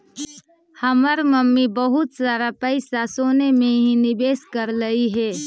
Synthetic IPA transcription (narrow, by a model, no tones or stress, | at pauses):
həməɾməmːibəɦʊt̪saːɾapəɪsasoːnemẽɦinɪbeːskəɾləiɦɛː